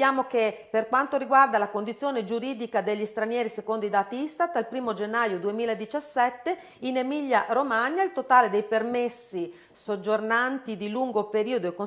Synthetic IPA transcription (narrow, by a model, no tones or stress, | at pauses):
jaːmokepːerkwant̪oɾiɡward̪alakond̪it̪sːjoːned͡ʒuɾiːd̪ikad̪eʎːist̪ɾanjɛːɾisekond̪oid̪aːt̪ist̪at̪ːalpɾiːmod͡ʒenːaːjod̪uemiːlaed̪it͡ʃasːɛt̪ːe | inemiʎːaɾomaɲːailt̪ot̪aːled̪ejpermesːi | sod͡ʒːornant̪id̪iluŋɡopeɾiːod̪oekːo